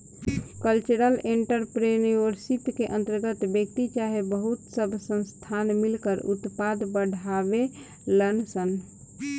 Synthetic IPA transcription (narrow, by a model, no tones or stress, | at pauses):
kəlt͡ʃuɾəleɳʈəɾpɾejuniʋəɾsit̪keʔə̃nt̪əɾɡət̪bjək̚t̪it͡ʃaɦebəɦut̪səbʱsə̃nst̪ʰanmilkəɾut̪pad̪bəɽ̤ʱabe | lənsən